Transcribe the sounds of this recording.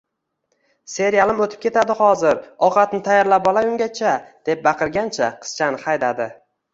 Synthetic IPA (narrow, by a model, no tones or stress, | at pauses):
se̞ɾjalɪmɵt̪ʰɪ̥p̚kʲʰe̞t̪ad̪ɪhɒzɪɾɒqʰɑt̪nɪt̪ʰajaɾlap̚ɒlˠajʊŋɡʲat͡ʃʰad̪̥e̞p̚bɑqʰɨɾɡʲant͡ʃʰaqʰɨ̥st͡ʃʰanɪqajd̪ad̪ɪ